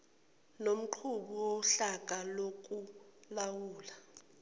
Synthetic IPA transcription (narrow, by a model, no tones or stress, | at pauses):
nom̩ǃʰuɓiwɔɬak̬ʼalok̬ʼulawuːla